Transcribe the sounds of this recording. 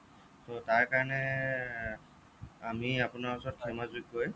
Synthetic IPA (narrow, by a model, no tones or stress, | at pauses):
totaɹkaɹɔnɛ | amiapʊnaɹɔsɔt̚kʰɛmazuikɡoj